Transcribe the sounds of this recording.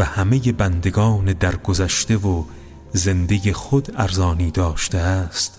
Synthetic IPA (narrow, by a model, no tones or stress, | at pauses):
væhæme̞je̞bænd̪e̞ɡɒːned̪æɾɡozæʃt̪e̞vo | ze̞nd̪e̞jexod̪æɾzɒːniːd̪ɒːʃt̪eæst̪